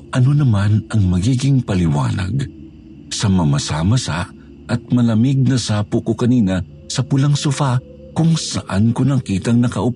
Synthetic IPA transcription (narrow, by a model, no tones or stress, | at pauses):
ʔɐnonɐmanʔɐŋmɐɡiːɡɪŋpɐlɪwa̰ːna̰ɡ | sɐmɐmɐsamɐsa̰ʔ | ʔɐt̪̚mɐlɐmɪɡ̚nɐsaːpʊkokɐniːnɐ | sɐpʊlaŋsʊfa | kʊŋsɐʔankonɐkiːt̪ɐŋnɐkɐʔʊp